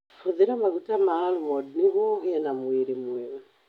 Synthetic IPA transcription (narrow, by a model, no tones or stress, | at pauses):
fuðiɾamaɡutamaalumɔdniɣuɣɛnamuiɾimwiwa